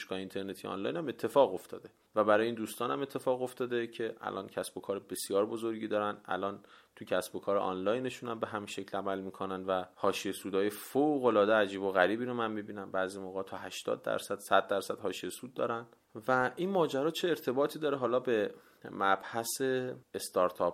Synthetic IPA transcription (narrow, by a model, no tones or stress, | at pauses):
ʃkɒːheint̪ʰe̞ɾnet̪ʰijɒ̰nlɒ̰jnæme̞t̪ʰːe̞fɒːɣo̞ft̪ʰɒ̰ːd̪e̞ | væbæɾɒːjeiːnd̪uːst̪ɒːnæmet̪ʰːe̞fɒːɣo̞ft̪ɒːd̪ecʰe̞ʔæ̰lʔɒ̰ːncʰæsb̥okʰɒːɾebe̞sjɒːɾbozoɾɟiːd̪ɒːɾænæ̰lʔɒːnt̪ʰucʰæsb̥o̞kʰɒːɾḛʔɒ̰nlɒːjne̞ʃuːnæmbe̞ɦæminʃe̞clæmælmiːkʰonænd̪væhɒːʃijesuːd̪ɒːjefoɣolɒːd̪eæd͡ʒiːboɣæɾiːbiːɾomænmibiːnænbæːzimoɣɑːt̪ʰɒːɦæʃt̪ɒ̰ːd̪ːæ̰ɾsæd̪̥sæd̪̚ːæɾsæd̪̥hɒːʃiesud̪̚ːɒ̰ːɾæn | væʔinmɒːd͡ʒæɾɒːt͡ʃʰeːɾt̪ʰebɒːt̪ʰiːd̪ɒːɾeɦɒːlɒːbe | mæb̥hæse̞est̪ɒɾt̪ʰɒp